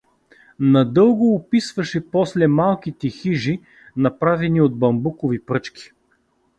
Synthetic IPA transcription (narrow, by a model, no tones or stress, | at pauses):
nɐd̪ɤlˠɡʊːpisvɐʃɛpɔslɛmalˠkit̪ɛxiʒi | nɐpɾavɛniod̪̚bɐmbukovipɾɤt͡ʃkʲi̥